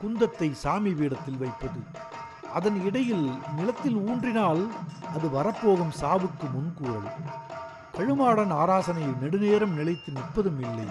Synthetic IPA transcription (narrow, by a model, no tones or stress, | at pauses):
kʊnd̪ɐt̪ːɐɪsaːmɪʋiːɽɐt̪ːɪlʋɐɪpːɐðɯ | ʔɐðɐnɪɽɐjɪlnɪlɐt̪ːɪluːɳdrɪnaːlɐðɯʋɐɾɐpːoːɣɯmsaːʋɯkːɯmʊnkuɐɭ | kɐɻɯmaːɽɐnaːɾaːsɐnɐjɯnɛɽɯneːɾɐmnɪlɐɪt̪ːɯnɪʈ̚pːɐðɯmɪlːɐ̰ɪ